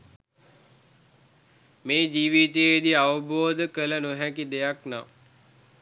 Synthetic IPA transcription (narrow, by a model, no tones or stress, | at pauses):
meːd͡ʒiːʋiːt̪ijəid̪iaʋəboːd̪əkələnoɦækid̪ejakna